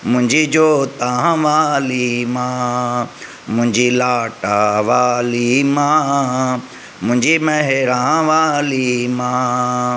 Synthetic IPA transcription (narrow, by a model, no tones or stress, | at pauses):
mʊ̃ɲd͡ʒid͡ʒoːt̪ãːãʋaːlimãː | mʊ̃ɲd͡ʒiːlaːʈaːʋaːlimãː | mʊ̃ɲd͡ʒimɛɦeɾãːʋaːlimaː